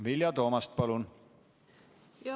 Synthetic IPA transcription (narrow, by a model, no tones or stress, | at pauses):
viljɑt̪o̞ːmɑst̪̚pɑlun